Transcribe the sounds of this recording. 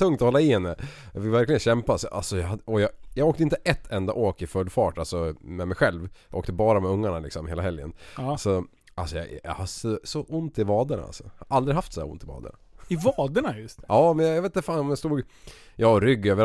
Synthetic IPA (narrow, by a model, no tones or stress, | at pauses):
ɵŋt̪ɔhɔlːaɪhɛnːəjɑvɪlvæɾklɪɡənɕɛmpasʔalsɔjɑɦad̪ɔjɑjɑːɡoːk̚t̪əɪnt̪əʔɛt̪ʰːɛnd̪a̰ʔoːkɪfœlːfɑːʈalsɔmɛmɛjɧɛlvjɑʔoːkt̪əbɑːɾamɛɵŋːaɳalɪ̰ksɔmheːlaɦɛljə̰nsɔ | ʔalsɔjɑ̰jɑ̰haʂɔsɔʔʊnt̪ɪvɑːd̪əɳa̰a̰lsɔ̥haɾʔald̪ɾɪɦaft̪sɛd̪æ̰ɾʊ̰nt̪ɪvɑ̰ːd̪ə̰ɳa̰ɪvɑːd̪əɳajɵst̪jʔɑːmɛnjɑjɑveːt̪əfaːnɔmjast̪uːɡjɑːɔɾʏɡːøːvəɾ